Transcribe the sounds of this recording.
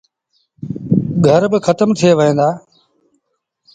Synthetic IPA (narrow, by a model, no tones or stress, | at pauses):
ɡʱəɾbɪxʰət̪əmt̪ʰieːʋəɦẽːd̪aː